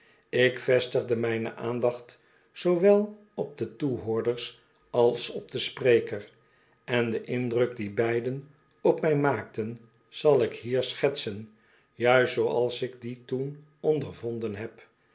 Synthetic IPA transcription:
ɪkfɛstəχdəmɛjnə̰ʔaːndɑχt | sowʋɛlˠ | ɔp̚dətuɦoːɹdəɹs | ɑlˠsɔp̚d̥əsprejkər | ɛndəʔɪndrɵk̚dibɛjdən | ɔpmɛjmaːk̚tən | z̥ɑlˠɪkhiːɹsχɛtsən | jœɥstsowɑlˠsɪɡditun | ɔndəɹvɔndənɦɛp

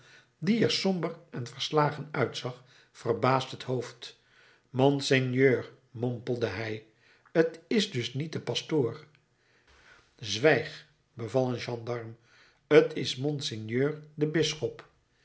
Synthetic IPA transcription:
diɛɹsɔmbərʔɛnvəɹslaːχənœɥtsɑχ | fərbaːstɦəthowft | mɔnsenjøːɹ | mɔmpəlˠdəɦɛj | ətɪzdɵsnit̚dəpɑstoːr | zʋɛjχ | bəvɑlˠənʒɑndɑɹm | ətɪsmɔnsɪnjøːɹdəbɪsχɔp

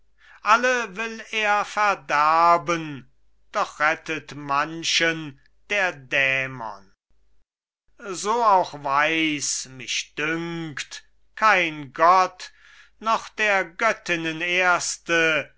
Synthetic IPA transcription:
ʔaləvɪleːɐfæɐdæɐbən | d̥ɔχʁ̥ɛtətmanʃən | d̥eːɐdɛːmɐ̰n | zoːaʊxvaɪsmɪʃd̥ʏŋkt | kʰaɪnɡɔt | nɔχd̪̥eːɐɡœtɪnəneːɐstə

